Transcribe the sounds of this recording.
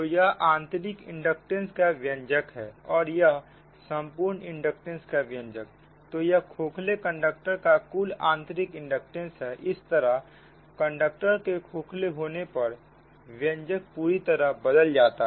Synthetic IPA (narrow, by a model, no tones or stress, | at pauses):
t̪ojɐɦʔãːnt̪ɾɪkɪ̰̃ɳɖək̚ʈẽnskaʋjə̃ɲd͡ʒəkɦɛːɔːɾjəɦ | sə̃mpuːɾnɪ̃ɳɖək̚ʈẽnskaʋjə̃ɲd͡ʒək̚ | t̪ojɐkʰoːkʰlekə̃ɳɖək̚ʈəɾkakʊlã̰ːnt̪əɾɪkɪ̃ɳɖək̚ʈẽnsɦɛʔɪst̪əɾəɦ | kə̃ɳɖək̚ʈəɾkekʰoːkʰleɦoːnepɐɾ | ʋjə̃ɲd͡ʒək̚puːɾit̪əɾəɦbəd̪əld͡ʒaːt̪a